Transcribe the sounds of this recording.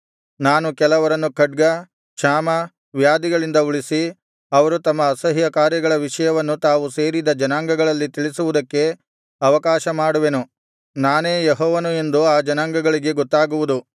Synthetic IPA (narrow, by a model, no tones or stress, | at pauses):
naːnukɛlɐʋɐɾɐnːukɐɖ̚ɡɐ | ʃaːmɐ | ʋjaːd̪iɡɐɭind̪ɐuɭisi | ɐʋɐɾut̪ɐmːɐːsɐɦijɐkaːɾjɐɡɐɭɐʋiʂɐjɐʋɐnːut̪aːʋuse̞ːɾid̪ɐd͡ʒɐnaːŋɡɐɡɐɭɐlːit̪iɭisuʋud̪ɐkːe̞ | ɐʋɐkaːʃɐmaːɽuʋenu | naːneːjeɦɔːʋɐnue̞nd̪uaːd͡ʒɐnaːŋɡɐɡɐɭiɡe̞ɡɔt̪ːaːɡuʋud̪u